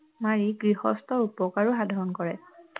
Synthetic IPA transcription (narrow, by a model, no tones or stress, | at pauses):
maɹiɡɹihɔ̰stɔɹupɔkaɹuɦadʱɔɹɔnkɔɹɛ